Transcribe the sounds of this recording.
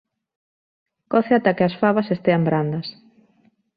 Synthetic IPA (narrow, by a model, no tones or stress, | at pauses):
kɔθeat̪akeasfaβɐsest̪eambɾand̪ɐs